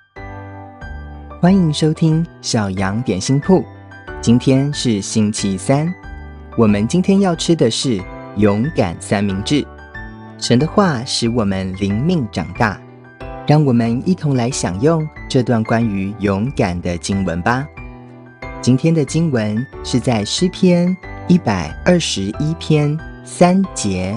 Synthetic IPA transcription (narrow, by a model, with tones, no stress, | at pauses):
xwa˥ni˧˥ŋʂo˥ʊt̪ʰi˥ŋɕjɑ˨˩ʊjɑ˧˥ŋt̪jɛ˨˩nɕi˥ŋpʰu˥˩ | t͡ɕi˥nt̪ʰjɛ˥nʂɻ̩˥˩ɕi˥nt͡ɕʰi˧˥sa˥n | wɔ˨˩mə˦nt͡ɕi˥nt̪ʰjɛ˥njɑ˥˩ʊʈ͡ʂʰɻ̩˥d̪ə˨ʂɻ̩˥˩jʊ˧˥ŋka̰˨˩nsa˥nmi˧˥ŋʈ͡ʂɻ̩˥˩ | ʂə˧˥nd̪ə˧xwa˥˩ʂɻ̩˧˥wɔ˨˩mə˦nli˧˥ŋmi˥˧ŋʈ͡ʂɑ̰˨˩ŋt̪a̰˥˩ | ɻɑ˥˩ŋwɔ˨˩mə˦ni˥˩t̪ʰʊ˧˥ŋla˧˥ɪɕjɑ̰˨˩ŋjʊ˥˧ŋʈ͡ʂɤ˥˧t̪wa˥˩nkwa˥ny˧˥jʊ˧˥ŋka˨˩nd̪ə˦t͡ɕi˥ŋwə̰˧˥nbɐ˨ | t͡ɕi˥nt̪ʰjɛ˥nd̪ə˨t͡ɕi˥ŋwə˧˦nʂɻ̩˥˧t͡sa˥˩ɪʂɻ̩˥˩pʰjɛ˥ni˥˩pa˨˩ɪə˞˥˩ʂɻ̩˧˥i˥pʰjɛ˥n | sa˥nt͡ɕjɛ˧˥